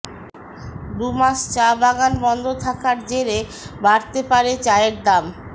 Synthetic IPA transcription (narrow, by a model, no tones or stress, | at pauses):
d̪umaʃt͡ɕabaɡanbɔnd̪ʱot̪ʰakaɾd͡ʑeɾe | baɾt̪epaɾet͡ɕaeɾd̪am